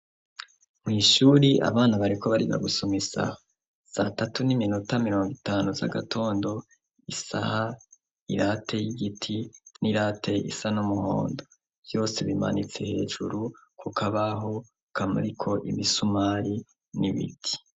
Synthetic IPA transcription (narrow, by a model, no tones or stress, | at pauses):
mŋiːʃuːɾiʔa̰βaːnaβaɾikoβaɾiβa̰ɡusomisa̰ha | z̥atatuniminutamiɾoːŋɡitaːnuza̰ɡatʰo̞ːndo̞ | isaha | ḭɾaːtʰe̞jiɡitʰiniɾaːtʰe̞ḭsanumuho̞̰ːndo | v̥jo̞ːse̞βima̰nit͡se̞he̞ːʒuɾukʰukʰaβaɦo̞ | kʰamṵɾikʰo̞ʔḭβisumaːɾi | niβḭtʰi̥